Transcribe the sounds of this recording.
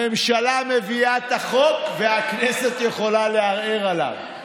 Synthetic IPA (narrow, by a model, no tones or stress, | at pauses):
emʃalame̞viat̪aχo̞kveaknɛset̪je̞χo̞laleaʁeʁala̰v